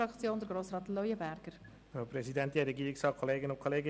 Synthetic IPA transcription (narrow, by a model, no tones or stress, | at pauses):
ɑkt͡sjoːnd̪əɾɡɾoːsrɑːtlɔjəbæɾɡ̥əɾ | opɾɛsidɛntɛɾɛɡiːɾɪksɑːkʰoleːɡənʊnkʰoleːɡə